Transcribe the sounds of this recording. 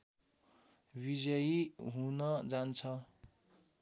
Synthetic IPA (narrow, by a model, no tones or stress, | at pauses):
bid͡zʌjiɦunʌd͡zant͡sʰʌ